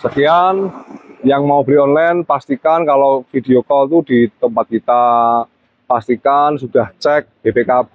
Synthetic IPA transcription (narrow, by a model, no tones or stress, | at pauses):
səkijanjaŋmaubɾiɔnlanpast̪ikankalofid̥̪iokɔlt̪ud̥it̪əmpat̪̚kit̪a | past̪ikansud̥aht͡ʃɛk̚b̥ebekap̚